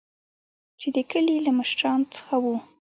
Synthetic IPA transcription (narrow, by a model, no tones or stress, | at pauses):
t͡ʃed̪əkəlilamʊʃɾɑnt͡sə̥xawu